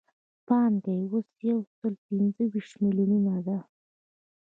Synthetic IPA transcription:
pɑnd̪ajwosjawsəlpinzəwiʃt̪miljununad̪a

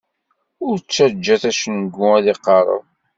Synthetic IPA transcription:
ʊɾt͡sːæd͡ʒːæθæʃənɡːʊæðiqːɑɾˤə̰ð

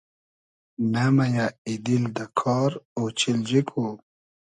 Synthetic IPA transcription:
namajaid̪ild̪akʰɔːɾot͡ɕild͡ʑikʰo

